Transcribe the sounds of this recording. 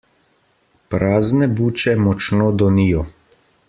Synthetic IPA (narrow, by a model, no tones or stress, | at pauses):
pɾaːznɛbuːt͡ʃɛmɔt͡ʃnoːd̪ɔnijɔ